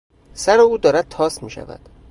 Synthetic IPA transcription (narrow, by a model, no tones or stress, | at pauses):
sæɾeuːd̪ɒːɾæd̪̚t̪ʰɒːsmiːʃæ̰væ̰d̪̥